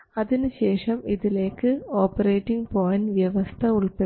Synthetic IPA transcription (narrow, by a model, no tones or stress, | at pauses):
ɐðɪnɯɕeːʂɐmiðɪleːkːɨoːpɐɾeːʈːiŋpoːjɐnʋjɐʋɐst̪ʰɐʊɭpe